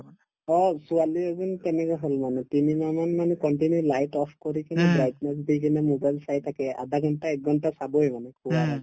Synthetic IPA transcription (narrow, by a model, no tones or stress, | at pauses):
ɔsualiɔzunt̪ɛnɛkaɦolmanɛt̪inimamanmanɛkɔɳʈinulajʈɔpʰkɔɾikinɛbɾajdnɛs̬bikinɛmobajlsajt̪ʰakɛʔa̰d̪aɡʱɔnʈaɛk̚ɡʱɔnʈasabɔjmanɛkʰuwaɾa